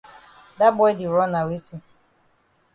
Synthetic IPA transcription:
da˦bɔ˦jdi˨ɾɔ˦na˨wi˦ti˦

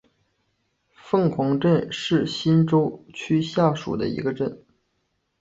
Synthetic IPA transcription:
fɤ˥˩ŋkʰʊ˧˥ŋʈ͡ʂə˥˧nʂɻ̩˥˩ɕi˥nʈ͡ʂo˥ʊt͡ɕʰy˥ɕja˥˩ʂṵ˨˩d̪ə̰˦ḭ˧˥ɡə˧ʈ͡ʂə˥˩n

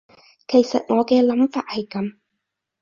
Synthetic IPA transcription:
kʰe˨˩jsɐ˨t̚ŋɔː˨˧kɛː˧lɐ˨˥mfaː˨t̚hɐ˨jkɐ˨˧m

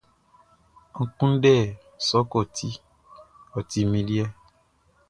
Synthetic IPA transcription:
ŋ̩˦˨kũ˦dɛ˦˨ | sɔ˨˦kɔ˦˨tʰi˨˦ | ɔ˨ti˨mĩ˧li˦ɛ˦˨

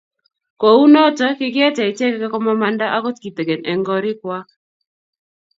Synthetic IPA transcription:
ko˨u˦no˦t͡ʃɔ˦kɪ˦kɪ˦ɛ˦t͡ʃɛ˨ɪ˨t͡ʃɛ˦kɛ˦kɛ˦kɔ˦mɔ˦ma˦nda˦ʔa˦ko˦tki˨t̪e˨ɡe˨nɛ˨ŋɡɔ˦ɾɪ˦kwa˦

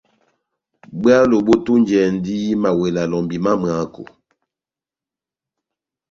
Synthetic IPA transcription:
bi˦a˦lo˨ɓo˦tu˦n˦d͡ʒɛ˨n˦di˦ma˨we˨la˨lɔ˨mbi˨ma˦m˨a˨˦ko̰˨

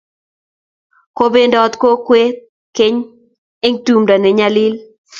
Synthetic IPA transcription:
ko˦be˦ndɔ˦t̪ko˦kwe˦t̪̚ | ke˦ɲ | e˦ŋtu˦mɾa˨nɛ˨ɲa˦lɪ˦l

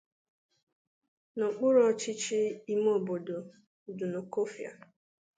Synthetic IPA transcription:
nʊ˨k͡pʊ˦ɾɔ˦t͡ʃɪ˦t͡ʃɪ˦i˦m˦o˨bo˨do˨ | dʊ˨no˨ko˦fja̰˨

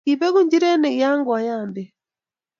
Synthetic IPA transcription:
i˨βɛ˦ɣu˦ɲd͡ʒi˦ɾɛ˦nɛ˨ia˦ŋɡwa˨jaː˨mbɛ˨

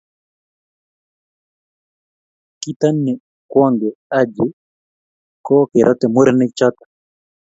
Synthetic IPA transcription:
kit̪a˦nːi˨ | kwɔ˦ŋɡɛad͡ʒi | kɔ˦kɪɾʔɔ˦t̪ɛ˨mu˦ɾnɪt͡ʃɔ˦t̪ḁ

